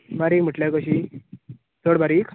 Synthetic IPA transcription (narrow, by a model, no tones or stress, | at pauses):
maɾikm̤əʈljakəɕi | t̪ʰoɽbaɾikʰ